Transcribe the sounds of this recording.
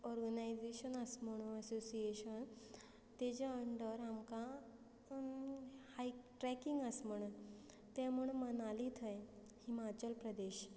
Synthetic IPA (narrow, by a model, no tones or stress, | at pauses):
ɔɾɡənajd͡ʑeɕənəsm̤əɽ̃uəsosijeɕən | t̪ed͡ʑeəɳɖəɾamkã | hajʈɾɛkiŋɡəsm̤əɽ̃un | t̪ɛ̃m̤əɳ̃ũnmənalit̪ʰəj | himat͡ɕəlpɾəd̪eɕ